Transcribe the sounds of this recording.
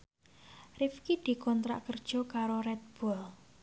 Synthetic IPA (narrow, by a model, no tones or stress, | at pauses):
rifkid̪̥i̤kɔnt̪ɾa̰ʔkərd̥ʒ̥ɔ̤kaɾoɾɛt̪̚b̥ɔl